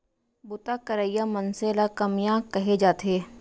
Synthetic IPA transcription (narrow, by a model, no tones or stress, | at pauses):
bʊt̪akɐɾaːjːamɐnselakɐmijãkɐɦed͡ʒaːt̪eː